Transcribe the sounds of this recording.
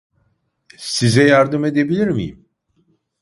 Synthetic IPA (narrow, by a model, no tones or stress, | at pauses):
sizɛjaɾd̪ɯme̞d̪e̞bilʲiɾmḭjḭm